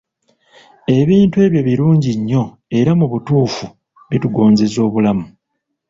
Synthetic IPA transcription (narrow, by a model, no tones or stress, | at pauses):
e̞βiːntwe̞ːβjo̞βiɾuːɲɟiɲːo̞ | e̞ɾamuβutuːfu | βituɡo̞ːnze̞zo̞ːβulamu